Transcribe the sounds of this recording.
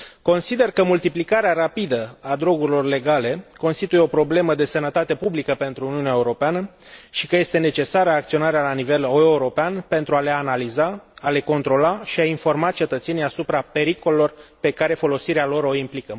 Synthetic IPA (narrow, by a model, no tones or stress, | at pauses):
ko̞nsid̪e̞rkəmult̪iplikaɾeaɾapid̪əad̪ɾo̞ɡuɾilo̞rle̞ɡale̞ko̞nst̪it̪ujeo̞pɾo̞ble̞məd̪e̞sənət̪at̪e̞publikəpe̞nt̪ɾuːniuneaeuɾo̞peanə | ʃikəje̞st̪e̞ne̞t͡ʃe̞saɾəaːk̚t̪sio̞naɾealanive̞loeuɾo̞peanpe̞nt̪ɾuale̞analizaale̞ko̞nt̪ɾo̞laʃiainfo̞rmat̚t͡ʃe̞t̪ət̪se̞nijasupɾape̞ɾiko̞lelo̞rpe̞kaɾe̞fo̞lo̞siɾealo̞ɾo̞implikə